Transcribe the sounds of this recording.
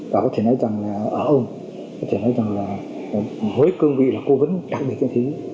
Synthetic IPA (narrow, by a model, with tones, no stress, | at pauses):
vaː˨˩kɔ˨˦t̪ʰe˧˩nɔ˨˦jza˨˩ŋlaː˨˩ʔəː˧˩ʔə˧wŋ͡m | kɔ˨˦t̪ʰe˧˩nɔ˨˦jza˨˩ŋlaː˨˩ | mo˨˦jkɨ˧əŋvḭ˧˨laː˨˩ko˨˦və˨˦nɗaː˨˩k̚ɗɨ˨˩t̚t͡ɕɛ̰˧˥nt̪ʰi˨˦